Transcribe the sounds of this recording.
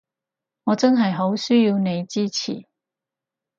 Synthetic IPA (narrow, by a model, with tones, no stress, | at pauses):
ŋɔː˨˧t͡sɐ˥nɦɐ˨jɦo˨˥wsyː˥jiː˧wne˨˧jt͡siː˥t͡sʰḭ˨˩